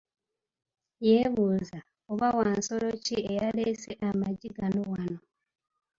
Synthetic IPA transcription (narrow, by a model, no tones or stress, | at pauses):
jeβuːza | oβawaːnso̞lo̞ciejaleseʔamaɟiɡanowano